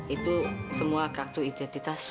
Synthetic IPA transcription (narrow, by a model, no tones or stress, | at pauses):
it̪usəmuakart̪uid̪ɛnt̪it̪as